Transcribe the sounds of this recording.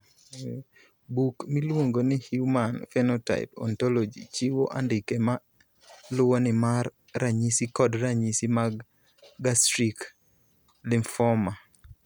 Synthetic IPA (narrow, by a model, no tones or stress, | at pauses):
bukmilwoŋɡonɪhjumanfɛnɔta̰ɪ̰pɔ̰ntɔlod͡ʒḭt͡ʃɪwoʔandɪkema | lʊwonɪmar | ɾaɲisikɔdɾaɲisimaɡː | astɾik | lɪmfɔma